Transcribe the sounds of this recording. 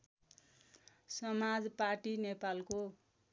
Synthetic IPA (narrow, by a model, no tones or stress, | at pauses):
sʌmad͡zparʈinepalko